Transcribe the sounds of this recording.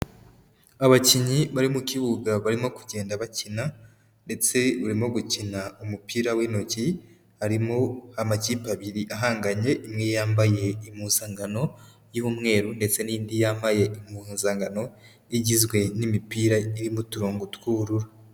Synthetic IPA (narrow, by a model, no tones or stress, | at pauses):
aβaciɲiβaɾimuciβuɡaβaɾimo̞ku̥ɟe̞ːndaβacina | nde̞t͡se̞βuɾimo̞ɡucinaumupiːɾawiːno̞ci | haɾimohamaciːpaβiɾiʔaɦaːŋɡaɲe̞ʔimŋejaːmbaje̞imuːnzaːŋɡano̞ | jiβumŋe̞ːɾunde̞t͡se̞niːndijaːmbaje̞imunzaːŋɡano̞ | iɟizɡwe̞nimipiːɾaiɾimutuɾoːŋɡutkuɾuɾa